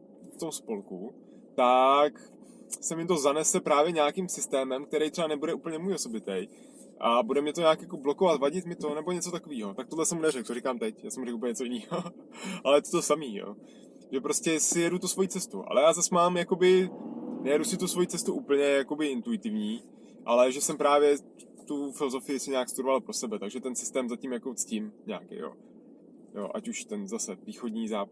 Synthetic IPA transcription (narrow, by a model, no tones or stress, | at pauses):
ft̪o̞mspo̞lku | t̪ak | sɛmɪt̪o̞zanɛsɛpɾaːvjɛɲaːkimsɪst̪ɛːmɛmk̚t̪ɛɾɛjt̪r̥ɛanɛbudɛʔuːpl̩ɲɛmuːjoso̞bɪt̪ɛj | ʔabudɛmɲɛt̪o̞ɲaːkjako̞bloko̞vat̪vaɟɪt̪mɪt̪o̞nɛbo̞ɲɛt͡sot̪akoviːɦo̞t̪ak̚t̪odlɛsɛmunɛɾɛk̚t̪oɾikaːmt̪ɛcjaːsɛmuɾɛkuːpl̩ɲɛɲːɛt͡so̞jɪniːɦo | ʔalɛjɛt̪o̥t̪osamiːjo̰ː | ʒɛpɾo̞scɛsɪjɛdut̪usvo̞jiːt͡sɛst̪uʔa̰lɛjaːzasmaːmjako̞bɪnɛjɛdusɪt̪usvo̞jiːt͡sɛst̪uʔuːpl̩ɲɛjako̞bɪʔɪnt̪uɪt̪ɪvɲiː | ʔalɛʒɛsɛmpɾaːvjɛ | t̪ufɪlozo̞fɪjɪsɪɲaːkst̪uɾovalpɾo̞sɛbɛt̪aɡʒɛt̪ɛnsɪ̥st̪ɛːmzacɪmjakot͡scimɲa̰ːkɛ̰jjo̰ː | jo̰ːʔa̰cuʃt̪ɛnzasɛviːxo̞dɲizaːp